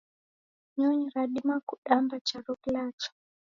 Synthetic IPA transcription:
ɲɔɲiɾaɗimakuɗambat͡ʃaɾɔklat͡ʃɔ̥

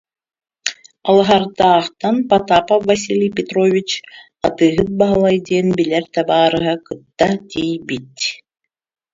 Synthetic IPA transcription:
ɑlˠɑɦɑɾt̪ɑːχt̪ɑnpat̪apavːɐs̬ʲilʲijpʲɪt̪rovʲit͡ɕ | ɑt̪ɯːɦɯt̪̚bɑɦɯlˠajd̪ʲeːnbilʲɛɾt̪ɛbɑːɾɯɦɑkɯt̪ːɑt̪ʲijbit̪ʲ

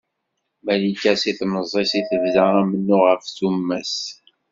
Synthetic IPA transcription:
mælikæsiθnəzˤːesiθəvzææmənːʊʁəfθumːæs

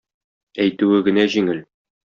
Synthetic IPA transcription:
æjt̪ʉwɘɡɘ̆næʑiŋɘl

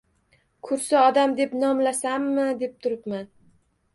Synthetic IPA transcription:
kʰʊɾsɪɒd̪amd̪e̞pnɒmlasamːɪd̪e̞p̚t̪ʰʊɾɪpman

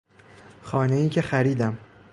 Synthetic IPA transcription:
xɒːneiːcʰexæɾiːd̪æm

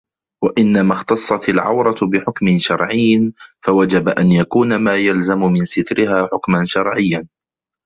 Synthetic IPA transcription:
waʔɪnːamaxt̪ɑsˤːɑt̪alʕa̰wɾˤɑt̪bɪħʊkmɪnʃɑɾˤʕɪjːnfawad͡ʒabaʔanjakuːnamaːjalzamʊmɪnsɪt̪ɾɪhaːħʊkmanʃɑɾˤʕɪjːan

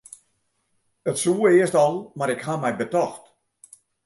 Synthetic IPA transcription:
ətsuːəɪəstɔlˠmaɾɪkhamɛjbətɔxt

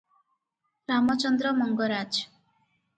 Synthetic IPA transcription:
ɾamɔt͡ʃɔnd̪ɾɔmɔŋɡɔɾad͡ʒ

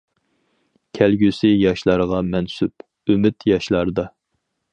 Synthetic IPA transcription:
kʲʰɛlɡʲysɪjɑʃlˠɑɾəʁɑmɛnsyp | ymɪt̪jɑʃlˠɑɾd̪ɑ

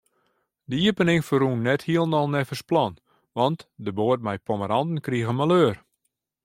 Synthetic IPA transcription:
dəiəpənɪŋfəɾunːɛthiəlˠnɔlˠnɛfəsplɔn | ʋɑntdəboːət̚mɛjpʰoməɾɑndn̩kriəɣəmaløːr

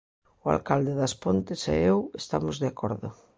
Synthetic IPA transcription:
ʊa̰lkald̪eðɐspont̪ɪsɛ̰ewest̪amʊzðeakʰɔɾðʊ̰

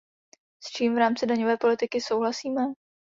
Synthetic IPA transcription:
st͡ʃiːmvɾaːmt͡sɪdaɲovɛːpo̞lɪt̪ɪkɪsowɦlasiːmɛ

